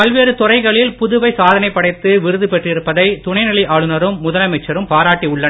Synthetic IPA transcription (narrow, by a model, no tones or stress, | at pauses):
ɐlʋeːɾɯt̪ʊrɐɪɣɐɭɪlpʊðʊʋɐɪsaːðɐnɐɪpːɐɽɐɪt̪ːɯʋɪɾɯðɯpɛʈrɪɾɯpːɐðɐɪt̪ʊɳɐɪnɪlɪʔaːɭɯnɐɾɯmːʊðɐlɐmɐɪt͡ʃːɐɾɯmpaːɾaːʈːiʊɭːɐn